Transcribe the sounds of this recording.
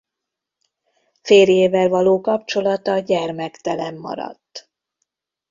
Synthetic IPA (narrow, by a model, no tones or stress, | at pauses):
feːrjeːvɛlvɒloːkɒp̚t͡ʃo̞lɒt̪ɒɟɛrmɛkt̪ɛlɛmːɒ̰ɾɒ̰t̪ː